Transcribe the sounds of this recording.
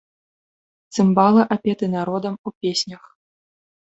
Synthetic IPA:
t̪sɨmbalˠɐʔapʲɛt̪ɨnaɾɔd̪ɐmupʲesʲnʲɐx

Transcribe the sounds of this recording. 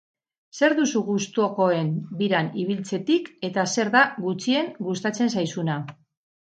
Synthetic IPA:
se̞ɾðusuɣust̪uoko̞e̞nbiɾaniβ̞ilt͡se̞t̪ike̞t̪ase̞ɾðaɣut͡sie̞ŋɡust̪at͡se̞ns̬ajsuna

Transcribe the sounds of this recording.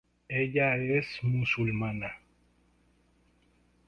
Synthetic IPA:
ɛɟaɾɛsmusulmana

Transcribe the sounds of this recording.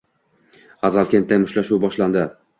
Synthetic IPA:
azalkʲent̪ʰːajmʊʃlaʃuwbɒʃland̪ɪ

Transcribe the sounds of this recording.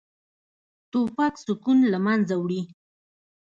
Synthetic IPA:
t̪opaksʊkunlamanzawɽi

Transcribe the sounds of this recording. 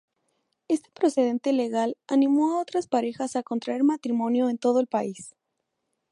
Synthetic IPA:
e̞st̪e̞̥pɾo̞se̞ð̞e̞nt̪ele̞ɣalanĩmo̞ao̞t̪ɾaspaɾe̞xasako̞nt̪ɾaeɾmat̪ɾimõ̞njo̞ent̪o̞ð̞oelpais

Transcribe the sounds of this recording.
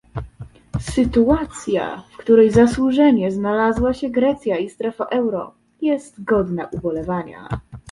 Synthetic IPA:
sɘt̪uat̪sʲja̰fkt̪uɾɛjzaswuʐɛɲɛznalazwaɕɛɡɾɛt̪sʲjaist̪ɾɛfaʔɛwɾɔ̰ | jɛst̪ɡɔd̪naʔubɔlɛvaɲa̰

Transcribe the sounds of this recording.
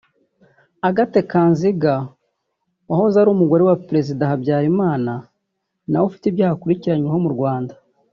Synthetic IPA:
aɡate̞kanziɡa | wahozaɾuːmuɡo̞ɾe̞wapɾe̞zidaɦabɟaːɾimaːna | nawofi̥tibjaːhakuɾiciɾaɲweɦo̞muɾɡwaːnda

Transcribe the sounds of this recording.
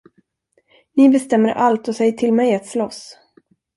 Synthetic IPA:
nɪbɛst̪ɛmːəɾʔalt̪ɔsɛjːəʈʰɪlmɛjat̪slɔs

